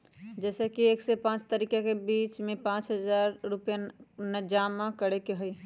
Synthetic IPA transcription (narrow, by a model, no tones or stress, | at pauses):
d͡ʒɛːsekieːksepãːt͡ʃt̪əɾiːkakebiːt͡ʃmẽpãːt͡ʃɦəd͡ʒaːɾːʊpjanəd͡ʒaːmakəɽekeɦʊi